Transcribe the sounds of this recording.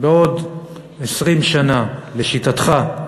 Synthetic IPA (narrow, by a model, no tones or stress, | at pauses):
beo̞d | esʁimʃanale̞ʃitat̪χa